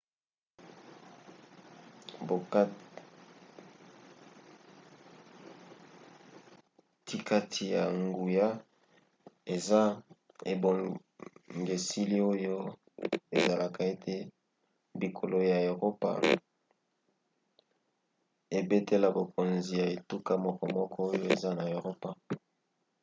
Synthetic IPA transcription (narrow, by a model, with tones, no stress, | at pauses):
bo˨˦ | ti˦ka˦tʰi˨ja˨ŋɡu˨ja˦ | e˨za˦ | ḛ˨bo˨ | ŋɡe˨si˦li˦o˦jo˦ | e˨za˨la˨ka˨e˦tʰe˦ | bi˨kʰo˨lo˨ja˨o˨ʁo˦pa̰˦ | e˨be˦te˦la˨bo˨ko˨nzi˨ja˨e˨tu˦ka˦mɔ˦kɔ˦mɔ˦kʰɔ˦o˦jo˦e˨za˦na˨o˨ʁo˦pa˨